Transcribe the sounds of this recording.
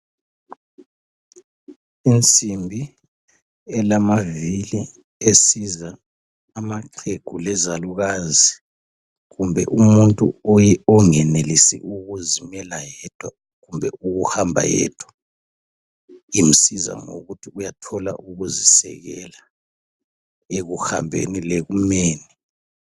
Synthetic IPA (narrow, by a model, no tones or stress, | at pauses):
int͡sʼimbʱi | ɛlamavili | esizaː | maǃʰeɡ̥ʱulɛzaluɣazi | ɣumbʱɛ̰ʔumuntʼṵɔjɛɔŋɛnelisḭʔuɣuzimɛlajɛd̥ʰʼʱwa | ɣumbʱɛuɣuhambʱa̰jɛ̰ːd̥ʰʼʱwḁ | im̩siza̰ŋo̰ɣutʰiujatʰɔla̰ʔuɣuzisɛ̰ɣɛla | eɣuha̰mbʱḛnileɣumeːni